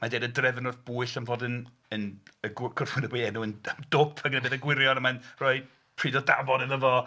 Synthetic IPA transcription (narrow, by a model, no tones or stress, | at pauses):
madeːdədrɛvənʊrθb̥uɨɬənvɔdɪn | ənəɡ̥ʊrfʊnəbiɛnuənəd̥ɔpʰaɡənəbeːðəɡwɪɾjɔnəmanrɔɨ | pʰr̥iːdɔdavɔdənəvɔ